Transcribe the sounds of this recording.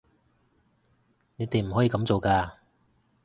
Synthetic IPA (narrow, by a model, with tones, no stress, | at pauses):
ne˨˧˥t̪e˨m̩˨˩ɦɔ˨˥jiː˧kɐ˨˧˥mt͡so˨wkaː˧